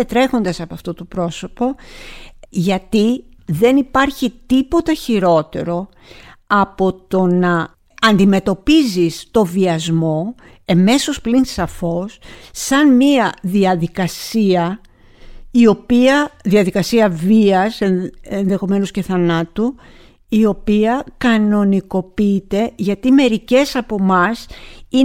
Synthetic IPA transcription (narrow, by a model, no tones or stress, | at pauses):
et̪ɾe̞xo̞nd̪ɐsɐpoɐft̪ot̪opɾo̞so̞po̞ | ʝɐt̪i | ðe̞nipɐɾçit̪ipo̞t̪ɐçiɾo̞t̪e̞̰ɾo̞ | ɐpo̞t̪o̞nɐː | nd̪ime̞t̪o̞pizist̪o̞viɐzmo̞ | eme̞so̞splinsɐfo̞sːɐnmiɐðiɐðikɐsiɐ | io̞piɐðiɐðikɐsiɐviɐse̞enðe̞xo̞me̞nosce̞θɐnɐt̪u | io̞piɐkɐno̞niko̞piit̪e̞ʝɐt̪ime̞ɾice̞sɐpo̞mɐsi